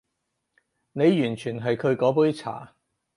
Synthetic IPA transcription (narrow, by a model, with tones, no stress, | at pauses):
ne˨˧jjyː˨˩nt͡ʃʰyː˨˩nɦɐ˨jkʰɵ˨˧ɥkɔː˨˥puː˨˥ɥt͡sʰa̰ː˨˩